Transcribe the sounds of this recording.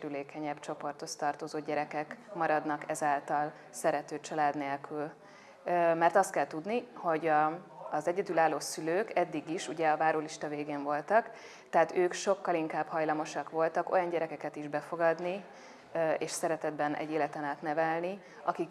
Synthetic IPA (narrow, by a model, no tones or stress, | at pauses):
ɾyleːkɛɲɛbt͡ʃo̞po̞rt̪ho̞st̪ɒrt̪ozoːɟɛɾɛkɛkmɒɾɒd̪nɒkɛzaːlt̪ɒl | sɛɾɛt̪øːt͡ʃɒlaːd̪neːlkʰyl | mɛrt̪ɒst̪̚kɛlt̪ud̪niho̞ɟɒːzɛɟɛd̪ylaːlːoːsyløːkɛd̪ːiɡiʃuɟɛɒvaːɾoːliʃt̪ɒveːɡeːɱvo̞lt̪ɒk | t̪ɛɦaːt̪øːkʃo̞kːɒliŋkaːbhɒjlɒmo̞ʃɒkʋo̞lt̪ɒko̞̰jɒɲɟɛɾɛkɛkɛt̪iʒbɛfo̞ɡɒd̪ni | ḛːʃsɛɾɛt̪ɛd̪bɛnʔɛ̰ɟeːlɛt̪ɛnaːt̪nɛvɛlni | ɒkik